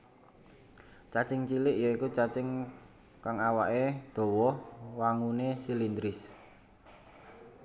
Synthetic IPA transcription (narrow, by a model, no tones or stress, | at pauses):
t͡ʃat͡ʃɪŋt͡ʃilɪʔjɔikut͡ʃat͡ʃɪŋ | kaŋawa̰ʔed̪̥o̤wɔhwaŋunesilind̪ɾɪs